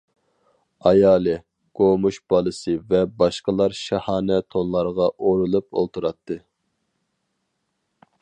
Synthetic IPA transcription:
ɑjɑːlˠɨ | ɡ̥omuʃb̥ɑlˠɨsɨvɛbɑʃqəlˠɑɾʃɛhɑːnɛt̪ʰonlˠɑɾʁɑʔoɾulˠupo̰lˠt̪ʰuɾɑt̪ʰːɨ

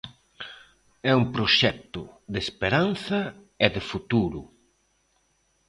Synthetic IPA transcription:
ɛumpɾoʃɛk̚t̪ʊðespeɾan̟θɐ | ɛðɪfut̪uɾʊ

